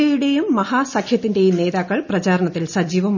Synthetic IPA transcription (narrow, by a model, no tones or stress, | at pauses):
ɐjuɽe̞jumːɐhaːsɐkʰjɐt̪ːinde̞jumne̞ːðaːkːɐɭprɐt͡ɕaːɾɐɳɐt̪ːilsɐd͡ʑiːʋɐm